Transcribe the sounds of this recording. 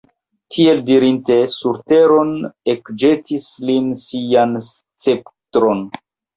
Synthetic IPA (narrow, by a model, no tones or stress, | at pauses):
tʰie̞ldiɾinte̞suɾte̞ɾo̞ne̞kd͡ʒe̞tislinsians | t͡se̞ptɾo̞n